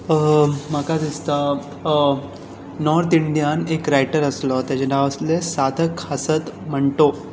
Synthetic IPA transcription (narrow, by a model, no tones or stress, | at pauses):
məkad̪ist̪a | nɔɾt̪iɳɖijanekɾajʈəɾəslɔt̪ed͡ʑenaʋəslesad̪ʱəkhəsət̪m̤əɳʈo